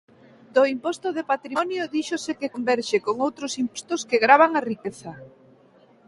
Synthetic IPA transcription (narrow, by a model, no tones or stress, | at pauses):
d̪oimpɔst̪oðepat̪ɾiɔnjoðiʃosekekombɛɾʃekoŋowt̪ɾosimpɔst̪ʊskeɣɾaβaŋarikeθɐ